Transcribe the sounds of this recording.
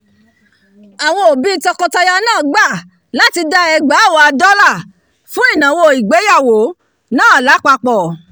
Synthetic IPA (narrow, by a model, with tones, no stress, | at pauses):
a˨w̃ɔ̃˧o˨bi˦tɔ˧kɔ˧ta˧ja˧nãː˦˨ɡ͡ba˦˨ | la˦ti˧da˦ɛ˧ɡ͡ba˨˦˨wɔ˧a˧dɔ˦la˦˨ | fũ˦i˦˨nã˨wo˧˨i˨ɡ͡be˨˦ja˦˨wo˨˦ | nãː˦a˨la˨˦k͡pa˧k͡pɔ˨